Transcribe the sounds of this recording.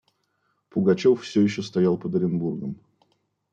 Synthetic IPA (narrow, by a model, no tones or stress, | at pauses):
pʊɡɐt͡ɕoffsʲɵjɪɕ̬ːost̪ɐjalˠpəd̪əɾʲɪnburɡəm